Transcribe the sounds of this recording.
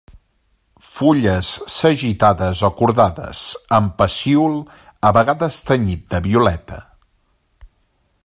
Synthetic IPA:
fuʎəsːəʒit̪aðəzokuɾðaðə̰zəmpəsiulˠ | əβəɣaðəst̪əɲit̪̚d̪əβiulɛt̪ə̰

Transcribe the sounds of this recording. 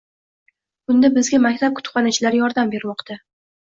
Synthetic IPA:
bʊnd̪abɪzɡʲamakʲt̪ʰap̚kʰʊ̥t̪χɒnat͡ʃʰɪlaɾjɒɾd̪ambe̞ɾmɒqt̪ʰa

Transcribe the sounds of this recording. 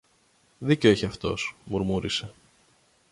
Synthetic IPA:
ðiceoiçiɐft̪o̞̰smuɾmuɾise̞

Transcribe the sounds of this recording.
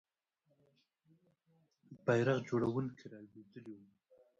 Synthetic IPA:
bajɾaɣd͡ʒoɽawunkʰeɾɑjbed̪əlewu

